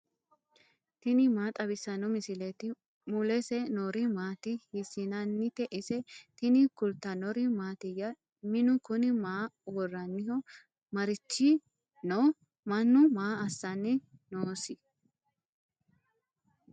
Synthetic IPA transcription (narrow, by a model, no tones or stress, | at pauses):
t̪ɪnɪmaːt̪ʼɐbɪsɐnɔmɪsɪlɛt̪ɪ | mʊlɛsɛnɔɾɪmaːt̪ɪhɪsɪnɐnːɪt̪ɛʔɪsɛt̪ɪnɪkʊlt̪ːɐnɔɾɪmaːt̪ɪjɐ | mɪnʊkʊnɪmaːwɔrːɐnːɪhɔ | mɐɾɪt͡ʃːi | no | mɐnːʊmaːɐsːɐnːɪnoːsɪ